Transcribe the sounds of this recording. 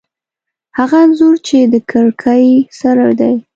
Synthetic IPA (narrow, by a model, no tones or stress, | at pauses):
haɣanzuɾt͡ʃed̪əkʰəɾkʰajsaɾaɾd̪aj